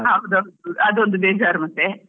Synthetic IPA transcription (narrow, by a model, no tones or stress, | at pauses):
aːʋɐd̪ond̪ɐd̪ond̪ubeːd͡ʒaːɾmɐt̪ːe